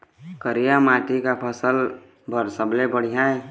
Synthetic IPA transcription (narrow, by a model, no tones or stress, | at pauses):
kəɾijamaːʈikapʰəsəl | bʱəɾsəblebəɽ̤ijaɛ